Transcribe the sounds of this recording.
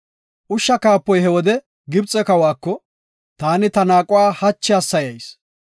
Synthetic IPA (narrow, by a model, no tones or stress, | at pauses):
ʔʊʃːɐkaːpːɔjɦɛwɔd̪ɛ | ɡɪbt͡sʼːɛkɐwaːkːɔ | t̪aːnɪt̪ɐnaːkʼʊwaːhɐt͡ʃːɛɐsːɐjɐjs